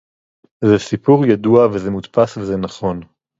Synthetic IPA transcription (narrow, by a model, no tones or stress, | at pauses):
zɛsipuʁjaduavezemut̪pasvezenaχo̞n